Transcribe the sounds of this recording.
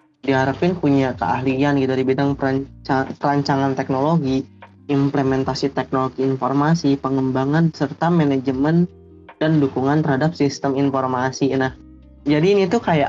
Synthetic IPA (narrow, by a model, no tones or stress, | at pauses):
diɦaɾapɪnpuɲakə̰ʔa̰ɦlianɡit̪udibidaŋpəaapəɾaɲt͡ʃaŋant̪ɛk̚noloɡi | implemɛnt̪asit̪ɛk̚noloɡiːnformasipəŋəmbaŋansərt̪amɛnɛd͡ʒəmən | d̥andukuŋant̪ərhadap̚sist̪əminformasinah | d͡ʒadinit̪ukaja̰ʔ